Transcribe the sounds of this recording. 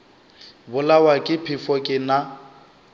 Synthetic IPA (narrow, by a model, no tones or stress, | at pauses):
bʊlawakʼɪpʰɪfɔkʼɪna